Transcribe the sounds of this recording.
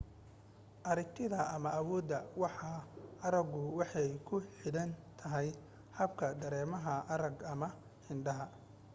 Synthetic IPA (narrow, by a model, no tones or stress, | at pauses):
ʔɐɾɪkt̪ʰɪðɐʔɐmɐʔɐwɔːd̪ːɐwɑħɑɐɾɐɡʊwɑħɑjkʰʊħɪɽɐnt̪ʰɐɦɛj | hɐb̚kʰɐd̪ɐɾɛːmɐɦɐʔɐɾɐɡɐmɐ | hɪɳɖɐɦɐ